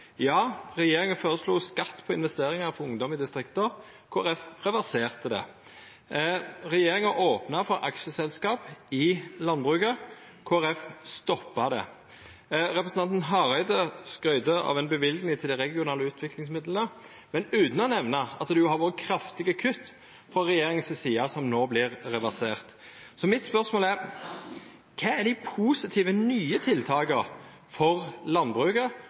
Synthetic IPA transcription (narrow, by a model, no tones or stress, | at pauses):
jɑːʁɛjeːɾɪŋəføːɾəsluːskɑt̪ːpʰɔɪnʋɛst̪eːɾɪŋɑʁfɔɾʊŋd̪ɔmɪd̪ɪst̪ɾɪkt̪əɾ | kʰoːæɾɛfʁɛʋæʁseːʁt̪əd̪ɛ̰ | ʁɛjeːɾɪŋəʔoːpnɑfɔɾʔɑ̰kʃəsɛlskɑːpɪlɑnbʁʉkə | kʰoːæɾɛfst̪ɔpːɑd̪ɛ̰ | ʁɛpɾʁəsn̩ɑnt̪n̩ɦɑʁæɪd̪əskɾœʏd̪əɑ̰ʋɛnbəʋɪlɡnɪŋt̪ʰɪld̪ɪɾɛɡɪʊnɑːləʉːt̪ʰʋɪklɪŋs̬mɪd̪lənə | mɛnʉːt̪n̩ɔnɛʋnɑɑt̪d̪ʉjʊhɑːɾʋoːɾəkʰɾɑft̪ɪɡəkʰʉt̪ː | fɾɔɾɛjeːɾɪŋənsəsiːɑsɔmnoːblɪʁɾɛʋɑseːʁt̪sɔmɪt̪spœʁsmoːlæɾ | kʰɛːæɖ̪ɪpʰuːsɪt̪ʰiːʋənyːət̪ʰɪlt̪ʰɑːkə | fɔʁlɑnbʁʉːkə